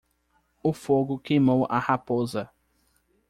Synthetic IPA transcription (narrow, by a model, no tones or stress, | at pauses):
ʊfoɡʊkejmowʔa̰hapozɐ